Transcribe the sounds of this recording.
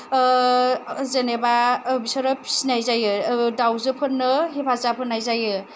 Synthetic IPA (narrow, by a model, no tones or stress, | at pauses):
zenebabisɔɾɔpʰi̥sinajzajɯdawzɯpʰɯnːɯɦipʰazapʰɯnːajzajɯ